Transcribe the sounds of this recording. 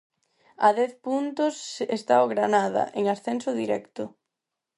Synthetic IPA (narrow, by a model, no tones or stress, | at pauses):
aðɛθpunt̪ʊsest̪aoɣɾanað̞ɐ̰ʔeŋasθɛnsʊðiɾɛkt̪ʊ